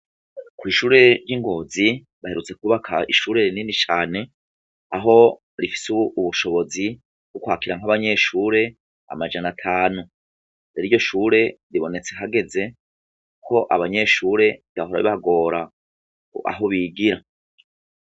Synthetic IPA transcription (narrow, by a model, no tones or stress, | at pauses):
kwiːʃuːɾe̞ɾjiŋɡo̞ːzi | βaheɾut͡se̞kuβakʰaḭʃuːɾe̞ɾininit͡ʃaːne̞ | aɦo̞ | ɾifi̥suuβuʃo̞βo̞zi | ɡ̥ukwaːkiɾaŋ̥aβaɲe̞ʃuːɾe̞ | a̰mad͡ʒanatʰaːnu | eɾiɾɟo̞ʃuːɾe̞ɾiβo̞ne̞t͡se̞ɦaɡe̞ze̞ | kʰo̞ʔaβaɲe̞ːʃuːɾe̞taɦoɾa̰βḭβaɡo̞ːɾa | a̰ɦo̞βiːɡiɾa